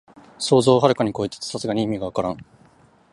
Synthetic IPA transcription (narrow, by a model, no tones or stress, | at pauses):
so̞ːzo̞ːɦaɾɯ̟kaɲ̟iko̞it̪e̥t͡sɨ̥sasɨɡaɲ̟iimʲiɡaβakaɾãŋ̃